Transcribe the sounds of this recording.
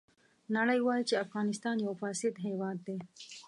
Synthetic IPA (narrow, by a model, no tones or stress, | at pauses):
naɽəjwɑːjit͡ʃeafɣɑːnɪst̪ɑnjawfɑːsɪd̪ɦewɑːd̪̚ːe